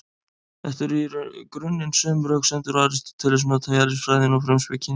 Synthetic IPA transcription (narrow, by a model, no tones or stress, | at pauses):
ɛft̪ɪɾikɾʏnːɪnsœːmɾœksɛnt̪ɪɾaːɾɪst̪t̪ʰɪlɛsmat̪ʰajalɪsfɾaːjðɪnɔwfɾɛmspɪcʰɪn